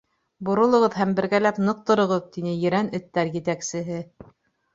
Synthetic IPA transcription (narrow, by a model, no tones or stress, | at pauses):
bŏɾŏlˠɤ̆ʁɤðɦæmbɘ̆ɾɡælæpnɤq̚t̪ŏɾɤ̆ʁɤðt̪inɘjɘ̆ɾænɵ̆t̪ːæɾjɘ̆t̪æksɘ̆ɦɘ